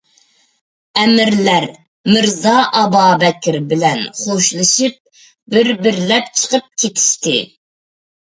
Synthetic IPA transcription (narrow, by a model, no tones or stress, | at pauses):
ɛmɪɾlæɾ | mɪɾzɑʔɑbɑːbɛkʲʰɪɾbɪlɛnχoʃlˠɨʃip̚ | bɪɾbɪɾlɛp̚t͡ʃʰə̥qəp̚kʲʰet̪ʲʰi̥ʃt̪ɪ